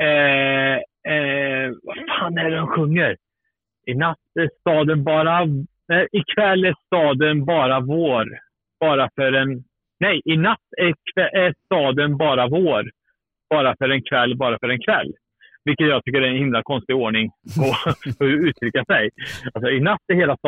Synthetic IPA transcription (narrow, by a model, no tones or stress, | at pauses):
ɛ | ɛvafaːnæɖɛnɧɵŋːəɾ | ɪnat̪ːæʂt̪ɑːd̪ənbɑːɾa | ɛʔɪkʰvɛlːæʂt̪ɑːd̪ənbɑːɾavoːɾ | b̥ɑːɾafœɾɛn | nɛjʔɪnat̪ːæɾkʰvɛʔæst̪ɑːd̪ənbɑːɾavoːɾ | b̥ɑːɾafœɾɛnkʰvɛlːbɑːɾafœɾɛnkʰvɛlː | vɪlkːət̪jɑːɡt̪ʰʏkːəɾɛɛnhɪmlakʰɔnst̪ɪɡoːɳɪŋpʰɔfɔɾʉ̟ːt̪ʰɾʏkːasɛjalsɔɪnat̪ːɛɾheːlas